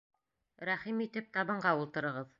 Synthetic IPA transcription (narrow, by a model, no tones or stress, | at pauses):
ɾæχimit̪ɘp̚t̪ɑβɤ̆ɴɢɑulˠt̪ɤ̆ɾɤ̆ʁɤð